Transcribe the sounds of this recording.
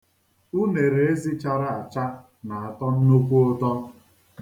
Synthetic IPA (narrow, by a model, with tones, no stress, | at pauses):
u˦ne˨ɾe˨e˦zi˦t͡ʃa˦ɾa˦a˨t͡ʃa˦ | na˨a˨tɔ˦n̩˦nu˦kʷu˦o˦tɔ˦